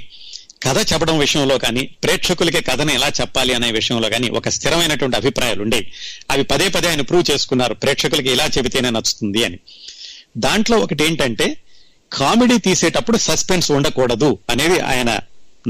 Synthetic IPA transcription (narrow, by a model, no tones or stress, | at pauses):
kɐd̪ʰʱɐt͡ʃɛpːɐɽɐmʋiʂɐjɐmlo̞ːkaːniːpɾeːkʂɐkulɐk̬ikɐd̪ʰʱɐnɐɛlaːt͡ʃɛpːaːliɐnɐːjɐʋiʂɐjɐ̃mlo̞ːkaːnḭʔɔ̰kɐst̪ʰiɾɐmɐjnɐʈuʋɐɳʈiɐbʱipɾaːja̰ːluɳɖeiɐʋipɐd̪eːpɐd̪iaːjɐnɐpɾuːwt͡ʃe̞ːsu̥kunːaːɾupɾeːkʂɐkulɐk̬iilaːt͡ʃebit̪eːneːnɐt͡ʃːu̥t̪und̪iɐni | d̪aːɳʈlo̞ːɔkɐʈ̬ieːɳʈɐɳʈe̞ː | kʰaːmeɽiːt̪iːseːʈɐpːuɽusɐspensuɳɖɐkuːɽɐd̪uɐne̞ːd̪iʔa̰ːjɐnɐ̰